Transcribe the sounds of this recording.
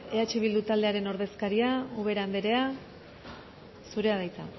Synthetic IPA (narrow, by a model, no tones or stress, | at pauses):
e̞at͡ʃiβ̞ild̪ut̪ald̪e̞aɾe̞no̞ɾðe̞skaɾiauβe̞ɾand̪eɾe̞a | suɾe̞aðajt͡sa̰